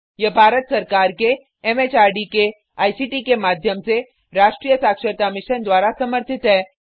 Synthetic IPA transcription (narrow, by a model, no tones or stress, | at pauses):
jɐbʱaːɾət̪sɐɾkaːɾke | ɛmeːt͡ʃaːɾɖike | aːisiːʈikemaːd̪ʱjəmse | ɾaːʃʈɾiːjəsaːkʃəɾt̪amɪʃənd̪waːɾasɐməɾt̪ʰɪt̪ɦɛː